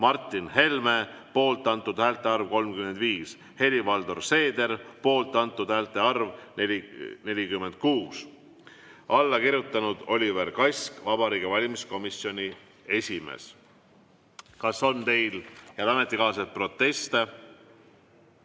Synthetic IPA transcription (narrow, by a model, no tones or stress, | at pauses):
mɑrt̪ˑːinhe̞lme̞po̞ːlt̪ːˑɑnt̪ːˑud̪̥hæːlt̪ːˑe̞ɑrvko̞lmkyme̞nd̪̥viːs | he̞livɑld̪orse̞ːd̪̥e̞rpo̞ːlt̪ːˑɑnt̪ːˑud̪̥hæːlt̪ˑe̞ɑrvneline̞lʲikymːe̞nd̪̥̚kuːs | ɑlːɑkiɾjut̪ːˑɑnud̪̥o̞lʲiveɾkɑjsʲkvɑb̥ɑɾiːɡ̥evɑlʲimisko̞misjo̞nʲi | e̞sʲimḛs | kɑsːo̞nt̪e̞jljɑlɑme̞t̪ːˑikɑːs̬et̪pro̞t̪ːe̞st̪e